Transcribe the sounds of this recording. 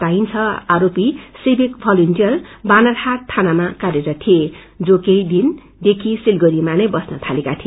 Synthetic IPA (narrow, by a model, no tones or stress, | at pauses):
t̪ajnt͡sʰʌaɾopisebʱikbʰʱʌlintiʌlbanarhat̪ʰːanamakaɾeɾʌt̪ʰie | d͡zokejd̪in | d̪ekʰisilɡʌɾimanejbʌsnʌt̪ʰalekat̪ʰi